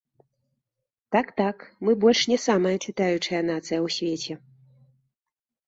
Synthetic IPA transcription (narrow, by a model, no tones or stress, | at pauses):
t̪akt̪akmɨbɔlʲʂnʲɛsamɐjɐt͡ʂɨt̪ajut͡ʂɐjɐn̪at̪sɨjɐwsʲvʲet͡sʲɛ